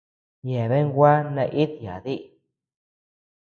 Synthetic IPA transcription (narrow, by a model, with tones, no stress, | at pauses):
je˨βe˦ŋ˦ɡʷa˦nã˧ʔi˦ði˨a˨ði˦ʔ